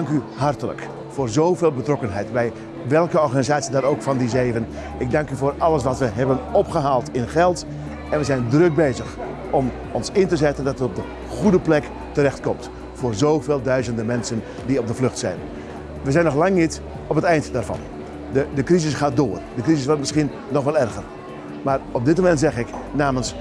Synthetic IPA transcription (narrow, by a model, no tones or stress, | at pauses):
ŋkyɦartələ̰k | foːrzoːveːlˠbətrɔkənɦɛjtbɛj | ʋɛlˠkəɔrɣaːnizaːt͡ssiədaɾoːkfɑndizeːvən | ɪɡ̚daŋkyvoːrɑləs̬ʋatʋəɦɛbənɔpχəɦaːlˠtɪnχɛlˠt | ɛnʋəzɛjndrøk̚beːzəx | ɔm | ɔnsɪntəzɛtəndɑtətɔb̚də | χudəplɛk | tərɛxtkɔmt | fʊːrzoːveːlˠdœɥzəndəmɛnsən | diɔb̚dəflɵxtsɛ̰jn | ʋəzɛjnɔxlaŋnit | ɔpətɛjntdaːrvɑ̰n | ədəkrizɪsχaːdoːərdəkrizɪsʋɔrtmɪsχinːɔxʋɛlˠɛrɣər | maːrɔp̚dɪt̚momɛntzɛxɪknaːməns